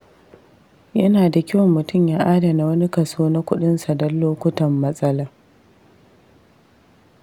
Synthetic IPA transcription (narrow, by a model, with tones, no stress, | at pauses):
jɐ˦naː˨da˨kʲɪ˦wɔ˨mːʊ˨tʊ˦mjaː˦ʔaː˦da˨na˨wɐ˦ni˦kɐ˨suː˦na˦kʷʊ˦ɗɪ˦nsa˨dɔ˦lːoː˦kʷʊ˦tɐ˨mːɐ˦sʼɐ˦laː˦